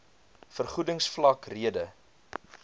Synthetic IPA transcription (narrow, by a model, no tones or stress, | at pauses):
fərχudəŋsflɐkriədə